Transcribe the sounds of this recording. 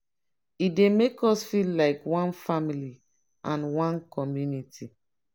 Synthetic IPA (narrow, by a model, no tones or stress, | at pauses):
idemekɔsfillaɪkwɔ̃nfamili | ʔãnwãnkɔmjunitʰi